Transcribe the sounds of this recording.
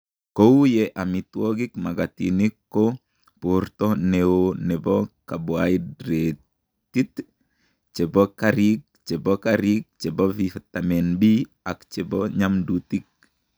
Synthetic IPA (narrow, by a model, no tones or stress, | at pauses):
kowjɛʔamit̪woɡikmaɡat̪ḭnikːo | puɾtɔneonɛbɔkaboaidɾe | t̪it̪ | t͡ʃɛbɔkaɾik̚t͡ʃɛbɔkaɾik̚t͡ʃɛbɔfift̪amɛnbi | akt͡ʃɛbɔɲamdut̪ik̚